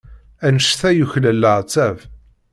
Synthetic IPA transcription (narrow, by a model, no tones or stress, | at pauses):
ænəʃθæjuçləlːəʁt͡sːæv